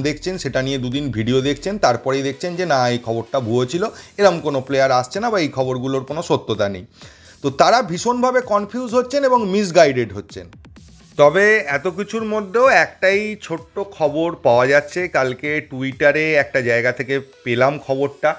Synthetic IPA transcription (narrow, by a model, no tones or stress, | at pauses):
d̪ekʰt͡ɕʰenʃeʈanijed̪ud̪inbʱiɖiod̪ekʰt͡ɕʰent̪aɾpɔɾejd̪ek̚ʰt͡ɕʰend͡ʑenaejkʰɔboɾʈabʱuot͡ɕʰiloeɾamkonoplejaɾast͡ɕʰenabaejkʰɔboɾɡuloɾkonoʃot̪ːot̪anḛj | t̪ot̪aɾabʱiʃonbʱabekɔnfʰiuzɦotːɕʰeneboŋmis̬ɡajɖeɖɦotːɕʰḛn | t̪ɔbeɛt̪ok̬it͡ɕʰuɾmod̪ʱːeoɛkʈajt͡ɕʰoʈːokʰɔboɾpaoad͡ʑatːɕʰekalkeʈuiʈaɾeɛk̚ʈad͡ʑaeɡat̪ʰekepelamkʰɔboɾʈa